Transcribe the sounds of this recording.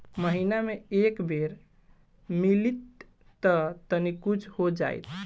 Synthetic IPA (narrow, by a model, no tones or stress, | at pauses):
məɦinameekbeɾ | milit̪ː | ət̪ənikut͡ʃʰhod͡ʒa̰jt̪ʰ